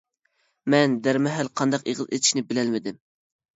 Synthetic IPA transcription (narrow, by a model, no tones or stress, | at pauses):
mɛnd̪æɾmɛɦælqʰɑnd̪ɑqeʁɨzet̪ʰɪ̥ʃnɪbɪlɛlmɪd̪ɪm